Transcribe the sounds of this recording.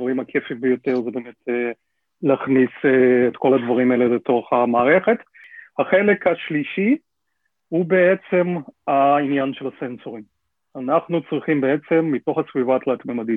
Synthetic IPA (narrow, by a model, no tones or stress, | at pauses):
vaʁimhakʰefimbejo̞teʁzebe̞ːme̞te | leaːχniseːtko̞lad̪vaʁimaeleleto̞χhamaːʁe̞χe̞t̪ | haχelekhaʃliʃi | hube̞et͡se̞mainjanʃe̞lasensoʁim | anaχnut͡sʁiχimbee̞t͡se̞mːito̞χasvivat̪laːt̪memadi